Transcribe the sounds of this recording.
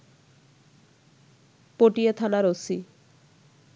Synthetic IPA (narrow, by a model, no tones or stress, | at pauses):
poʈijet̪ʰanaɾosi